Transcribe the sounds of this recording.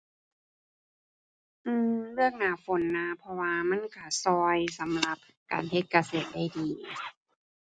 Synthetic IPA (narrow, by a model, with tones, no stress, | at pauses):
ʔɯː˧mlɯ˥˩ək̚naː˧˩fo˨˦nːa˧˥pʰɔ˧waː˧ma˧˥˨nka˧˩sɔː˧jsa˨˦mla˧˦p̚ | ka̰ː˨nhe˧˥t̪̚ka˧seː˧˩t̪̚da˧˥˩jdiː˨˦